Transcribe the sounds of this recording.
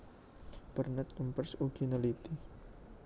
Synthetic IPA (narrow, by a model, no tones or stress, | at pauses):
b̥ərnɛt̪̚umpərsuɡ̥inalit̪i